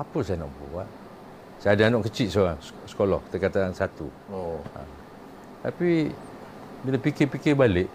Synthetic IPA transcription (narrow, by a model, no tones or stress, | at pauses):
apəsajanɔ̰ʔbṵwa̰ʔ | saadanɔʔkət͡ʃit̪̚soɾaŋs | sə̥kolɔ̰hki̥t̪əkat̪aŋsat̪ṵa̰ | t̪api | bilapikɪpikɪbaleʔ